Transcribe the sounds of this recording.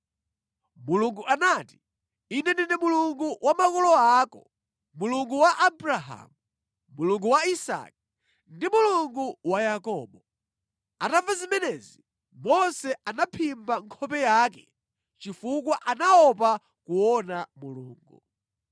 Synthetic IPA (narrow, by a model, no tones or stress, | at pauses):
muluŋɡuʔanati | inɛndinimuluŋɡuwamakɔlɔaːkɔ | muluŋɡuwaʔabɾaɦa̰mu | muluŋɡuwaisa̰k̚i | ndimuluŋɡuwajakɔːɓɔ | atavazimɛnɛzi | mɔnsɛanapʰimbaŋkʰɔpɛjaːkɛ | t͡ʃifukwaʔanaɔpa | kuɔnamuluːŋɡu